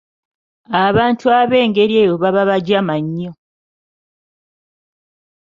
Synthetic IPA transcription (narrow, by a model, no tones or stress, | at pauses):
aβaːntuaβe̞ːŋɡe̞ɾieːjoβaβaβaɟamaɲːo